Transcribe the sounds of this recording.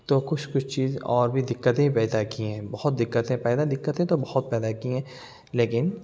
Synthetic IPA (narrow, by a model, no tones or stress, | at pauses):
t̪oːkʊt͡ʃʰkʊt͡ʃʰt͡ʃiːzɔːɾbʱid̪ɪkːət̪ẽpɛːd̪akiɦɛ̃ːbɔhʊt̪̚d̪ɪkːət̪ɦɛ̃pɛːd̪ad̪ɪkːət̪ɦɛ̃t̪obɐhɔt̪̚pɛːd̪akiɦɛ̃ː | leːkɪn